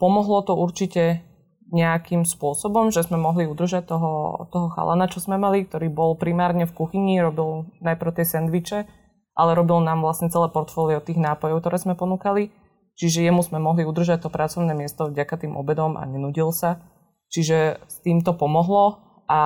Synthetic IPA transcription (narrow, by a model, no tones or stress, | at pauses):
pɔmɔɦlɔt̪ɔuɾt͡ʃicɛ | ɲɛakimspʊɔsɔbɔmʒɛzmɛmɔɦliud̪r̩ʒac̚t̪ɔɦɔt̪ɔɦɔxa̰lʔa̰nat͡ʃɔzmɛmalik̚t̪ɔɾiːbɔlpɾimaːɾɲɛfkuxiɲiɾɔbilˠnajpɾʊt̪jɛsɛnd̪ʋit͡ʃɛ | ʔalɛɾɔbilnaːmʋlasɲɛt͡sɛlɛːpɔɾt̪fɔːliɔt̪iːɣnaːpɔjɔʊkt̪ɔɾɛːzmɛpɔnuːkali | t͡ʃiʒɛjɛmuzmɛmɔɦliud̪r̩ʒac̚t̪ɔpɾʔat͡sɔʊnɛːmɪɛst̪ɔvɟakat̪iːmʔɔ̰bɛd̪ɔmʔa̰ɲɛnuɟilsa | t͡ʃiʒɛst̪iːmt̪ɔpɔmɔɦlɔ | ʔa